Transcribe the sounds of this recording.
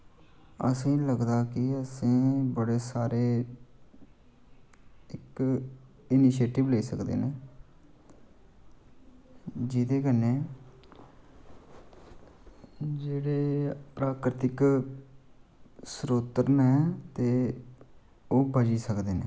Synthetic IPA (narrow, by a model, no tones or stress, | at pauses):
ə̰sĩːləɡd̪aːkɪəsĩːbəɽeːsaːɾeː | ɪk | ɪnɪʃeːʈɪʋleːsəkd̪ḛːneː | d͡ʒiːd̪eːɡəneː | d͡ʒeːɽeːpɾaːkɾɪt̪ɪk | sɾoːt̪əɾnɛːt̪eː | oːbəd͡ʒiːsəkd̪eːnḛ̃ː